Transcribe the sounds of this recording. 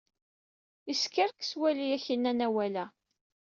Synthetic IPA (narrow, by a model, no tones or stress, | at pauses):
iskəɾkswælijæçinːænæwælæ